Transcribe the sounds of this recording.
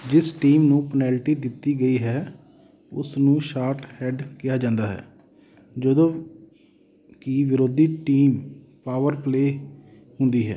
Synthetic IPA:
d͡ʒɪsʈiːmnũːpənɛːlʈiːd̪ɪt̪ːiːɡəiːɦɛː | ʊ̰snũːʃaːɾʈhɛːɖkɪjaːd͡ʒãːnd̪aːɦɛ̰ː | d͡ʒəd̪õː | kiʋɪɾoːd̪iːʈiːm | paːʋəɾpleː | hʊ̃nd̪iːɦɛ̰ː

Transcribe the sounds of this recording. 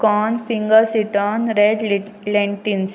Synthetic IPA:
kɔːnfiŋɡəɾsiʈənɾeɖ | leɳʈins

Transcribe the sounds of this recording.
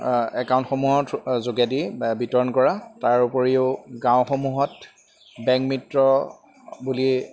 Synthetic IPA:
ɛkaw̃ntxomuɦɔtzoɡadibitɔɹɔnkɔɹataɹupɔɹiʊɡãʊ̃xomuɦɔt | bɛ̃ŋk̚mitɹɔ | buli

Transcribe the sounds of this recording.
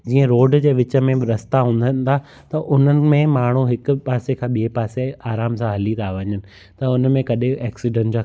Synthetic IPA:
d͡ʑiːə̃ɾoːɖd͡ʑeːʋɪt͡ɕə̆mẽɾɐst̪aɦũːnd̪ənɪ̆t̪ʰa | t̪ɐʔʊn̤ənɪ̆mẽmaːɳ̤uɦɪkpaːsekʰãːɓiepaːseaːɾaːmsãɦɐlit̪ʰaʋɐ̃ɲənɪ̆ | t̪ɐʊnmẽkɐɗɪɛːksɪɖə̃nʈd͡ʑaː

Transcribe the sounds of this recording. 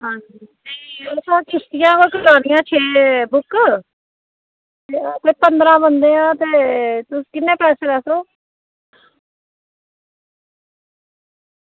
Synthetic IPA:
ɦãːd͡ʒit̪eːeːsãːkʰɪst̪ɪjãːkolkəɾaːnĩjãːt͡ʃʰeːbʊk | et̪eːpənd̪ɾãːbənd̪eːãːt̪eːt̪ʊskɪnːẽːpɛːseːɾɛːsʰɾoː

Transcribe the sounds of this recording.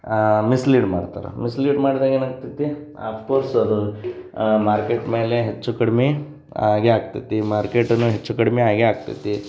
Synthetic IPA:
misliːɖmaːɽt̪a̰ːɾḛmisliːɖmaːɽid̪aːɡenaːɡ̚t̪it̪ːi | a̰ːpʰkoːɾsɐd̪u | maːɾkeːʈme̞ːleɦet͡ʃːukɐɽme | aːɡeaːɡ̚t̪it̪ːimaːɾkeːʈɐnːuɦet͡ʃːukɐɽmeaːɡeaːɡ̚t̪ḭt̪i

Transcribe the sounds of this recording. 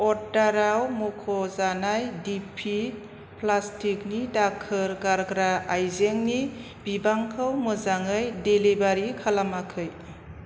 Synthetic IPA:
ɔdaɾawmukʰɔzanajdipʰi | plastik̚nidak̚ʰɯɾɡaɾɡɾaːjzeŋni | bibaŋkʰawmɯzaŋɯjdelibaɾikʰalamakʰɯj

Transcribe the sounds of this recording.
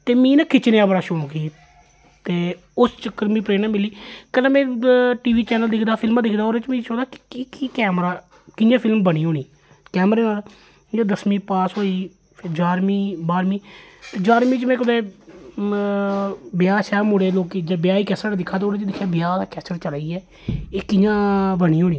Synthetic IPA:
t̪eːmĩːnãːkʰɪt͡ʃneaːbəɽaːʃoːkiː | t̪eː | ʊst͡ʃəkːəɾmĩːpɾeːnãːmɪlːiːkəlãːmɛ̃ːʈiːʋiːt͡ʃɛːnəld̪ɪkʰd̪aːpʰɪlmãːd̪ɪkʰd̪aːoːɾẽt͡ʃmĩːt͡ʃɔ̃ːd̪aːkkiːkiːkɛːmɾaː | kɪnjãːpʰɪlmbəɽ̃iːɦoːniː | kɛːmɾeːnaːl | d͡ʒoːd̪əsmĩːpaːsɦoːiː | d͡ʒaːɾmiːbaːɾmiːt̪eːd͡ʒaːɾmiːt͡ʃmɛ̃ːkʊd̪eː | bɪjaːsɛːbmʊɽeːloːkːd͡ʒbjaːiːkɛːsaːned̪ɪkʰːãːt̪ːoːɾẽt͡ʃd̪ɪkʰːjaːbɪjaːd̪aːkɛːt͡ʃəɾt͡ʃəlaːiːɛː | eːkɪjãːbəñiːɦoːɽ̃iː

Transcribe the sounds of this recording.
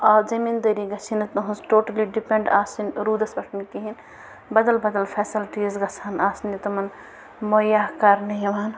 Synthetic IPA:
ɔːd͡ʒɐmiːnd̪ɐɾiɡɐt͡ʃʰinɐt̪nɐɦunsʈoːʈɐliɖipẽɳɖaːsinɾuːd̪ɐsbɐʈʰnikiɦin | bɐd̪ɐlbɐd̪ɐlfʰeːsilʈizɡɐsʰaːnaːsnit̪ɐmɐn | mojaːɦkaɾnɐjɐʋaːn

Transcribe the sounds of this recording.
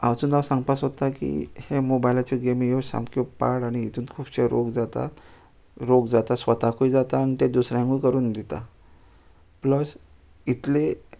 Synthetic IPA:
a̰wt͡suːnawsãŋɡpasɦot̪akḭhemobajlat͡ɕiɡemijosa̰mkopa̰ɽaɽ̃iit̪uːnkʰuːpɕeɾo̰ɡd͡zat̪a̰ | ɾoɡd͡zat̪asʋət̪akʰuid͡zat̪aːñit̪ed̪usɾãŋɡujkəɾuːnd̪it̪a̰ | pləs | it̪le

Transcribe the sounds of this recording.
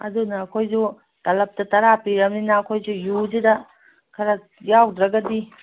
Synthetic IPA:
ɐ̰dunɐːkʰojzu | tɐlɐp̚tɐtɐɾapiɾɐmninɐːkʰojzujuzidɐ | kʰɐɾɐk̚jawdɾɐɡɐdi

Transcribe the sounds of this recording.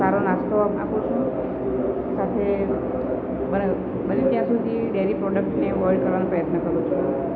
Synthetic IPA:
saɾonast̪ʰoa̰pũt͡ʃʰũ | sat̪ʰe | bəna | bənet̪jãsud̪ʱiɖeɾipɾɔɖək̚ʈneʋɔjɖkəɾʋanopɾəjət̪nəkəɾũt͡ʃʰu

